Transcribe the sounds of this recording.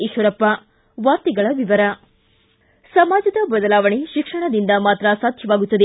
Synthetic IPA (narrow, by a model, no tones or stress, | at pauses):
iʃʋɐɾɐpːɐ | ʋaːɾt̪iɡɐɭɐʋiʋɐɾɐ | sɐmaːd͡ʒɐd̪ɐbɐd̪ɐlaːʋɐɳeʃikʂɐɳɐd̪ind̪ɐmaːt̪ɾɐsaːd̪ʱjɐʋaːɡut̪ːɐd̪e